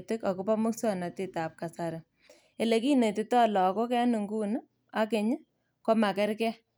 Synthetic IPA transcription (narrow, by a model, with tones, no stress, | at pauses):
tɪ˦ka˨ko˦pa˦mʊ˦ksɔ˦na˨ti˦ta˨p̚ka˨sa˨ɾɪ˨ | e˨le˨ki˦ne˨tɪ˨tɔ˦lɔ˨ko˦kɛ˦nu˨ŋɡu˦n˦ | a˦ke˨ɲɪ˦ | kɔ˦ma˨kɛ˦ɾkɛ˦